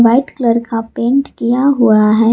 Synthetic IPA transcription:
ʋaɪʈkləɾkapẽːɳʈkijaɦuaɦɛ

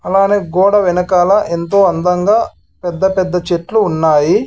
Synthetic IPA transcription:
ɐlaːneːɡɔːɽɐʋinɐkaːlɐʔent̪o̞ːɐnd̪ɐŋɡaː | pɛd̪ːɐpɛd̪ːɐt͡ʃeʈluːnːaːji

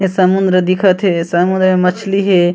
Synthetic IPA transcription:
ɦesɐmũnd̪ɾəd̪ɪkʰət̪ɦesɐmʊ̃nd̪ɾəemɐt͡ʃʰliɦe

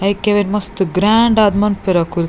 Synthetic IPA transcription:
ɐjkeʋenʲmɐst̪ɨɡɾaɳɖad̪mɐnpeɾɐkul

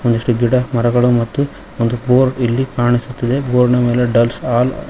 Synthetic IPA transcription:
ond̪iʂʈuɡiɽɐmɐɾɐɡɐɭumɐt̪ːu | ond̪uboːɾilːikaːɳisut̪ːɐd̪e̞boːɾɐnɐme̞ːleɖɐlsaːl

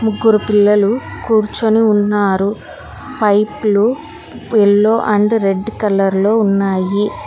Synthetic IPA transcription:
muɡːuɾupilːɐlukuːɾt͡ʃoniunːaːɾu | pɐjplu | elːoːʔɐɳɖɾeɖːkɐlɐɾlo̞ːunːaːji

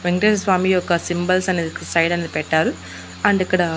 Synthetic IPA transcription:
ʋeŋɡɾenɐsʋaːmiːɔkɐsimbɐlsɐneːd̪isɐjɽɐneːd̪ipɛʈːaːɾu | ɐɳɖikːɐɽɐ

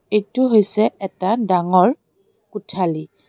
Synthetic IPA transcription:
ejtʊɦojsɛɛtadaŋɔɹ | kutʰali

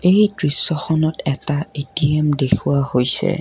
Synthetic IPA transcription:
ejdɹisːɔxɔnɔtɛtaetiɛmdekʰuwahojsɛ̰

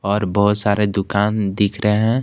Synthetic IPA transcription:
ɔːɾbəɦʊt̪saːɾed̪ʊkaːnd̪ɪkʰɾəeɦɛ̃

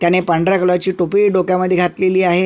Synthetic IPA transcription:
t̪janepəɳɖɾakələt͡ɕiːʈopiːɖokjaməd̪ʱjeɡʱat̪leliːaɦe

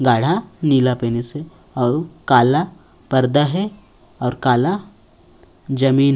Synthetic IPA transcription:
ɡaːɽ̤aniːlapeːnise | ɔːɾkaːla | pɐɾd̪aɦɛ | ɔːɾkaːla | d͡ʒɐmiːn

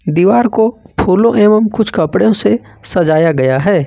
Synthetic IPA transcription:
d̪iːʋaːɾkopʰuːlõʔeːməmkʊt͡ʃʰkɐpɽeõsesɐd͡ʒaːjaɡɐjaɦɛː

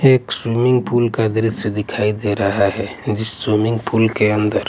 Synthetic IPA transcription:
eːkswimɪ̃ŋɡpʰulkad̪ɾəssed̪ɪkʰaːid̪eɾɐɦaɦɛd͡ʒɪsːwimɪ̃ŋɡpʰulkeə̃nd̪əɾ

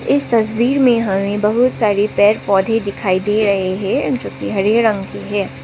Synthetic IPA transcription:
ɪst̪ɐswiːɾmẽɦɐmẽbɐɦʊt̪saːɾipɛːɾpɔːd̪ʱẽd̪ɪkʰaːid̪eːɾɐɦeɦɛ̃d͡ʒõːkiɦɐɾeːɾɐ̃ŋɡkiɦɛː

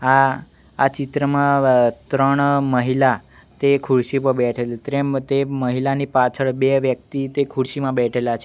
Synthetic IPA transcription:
aː | t͡ʃit̪ɾəmãt̪ɾəɳ̃məɦila | t̪ekʰuɭsipəbɛʈʰelt̪ɾet̪eməɦilanipat͡ʃʰəɭbeʋjək̚t̪it̪ekʰuɽʃimãbɛʈʰelat͡ʃʰe

